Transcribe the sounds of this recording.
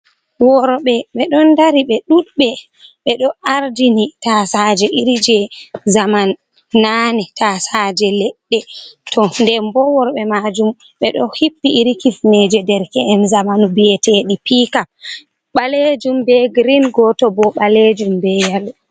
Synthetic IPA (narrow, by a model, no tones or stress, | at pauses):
wɔɾɓɛɓɛɗɔndaɾiɓɛɗuɗɓɛ | ɓɛɗɔʔaɾdinitasad͡ʒɛʔiɾid͡ʒɛzamanː | anɛtʰasad͡ʒɛlɛɗːɛtʰɔndɛmbɔwɔɾɓɛmad͡ʒum | ɓɛɗɔhipːiʔiɾikifnɛd͡ʒɛdɛɾkɛɛmzamanubijɛtʰeɗipika | ɓaled͡ʒumbɛɡɾinɡɔtɔbɔɓaled͡ʒumbɛjal